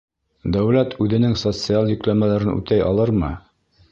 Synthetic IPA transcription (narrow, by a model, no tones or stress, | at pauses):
d̪æwlæt̪ʰʉðɘ̆nɘŋsot̪sɨalˠjʲɵ̆klæmælæɾɘnʉ̰t̪æjʔɑ̰lˠɤɾmɤ